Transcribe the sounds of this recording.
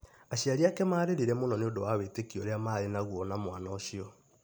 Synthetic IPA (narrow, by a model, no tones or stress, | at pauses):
aɕiaɾiakɛmaːɾeɾeɾɛmonɔneondowawetekiɔɾeamaːɾenaɣwɔnamwaːnaoɕiɔ